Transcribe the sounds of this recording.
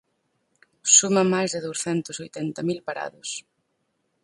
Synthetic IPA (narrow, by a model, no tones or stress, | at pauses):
sumɐmajzðɪðowsθɛnt̪ʊsojt̪ɛnt̪ɐmilpaɾa̰ðʊs